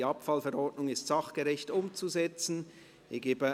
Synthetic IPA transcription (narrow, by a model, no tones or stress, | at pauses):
ɑpfɑlfɛɾɔɹtnʊŋɪstsɑχɡ̥əʁɛçtʊmt͡suzɛt͡sn̩ | iɡeːbə